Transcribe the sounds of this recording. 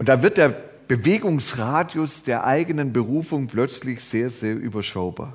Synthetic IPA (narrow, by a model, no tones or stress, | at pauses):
ʊntd̥aːvɪɐt̚d̥eːɐ | b̥əveːɡʊŋsʁaːdjʊsd̥eːɐʔaɪɡənənbəʁ̞uːfʊŋplœt͡slɪçz̥eːɐzeːɐʔy̰ːbɐʃaʊba̰ːɐ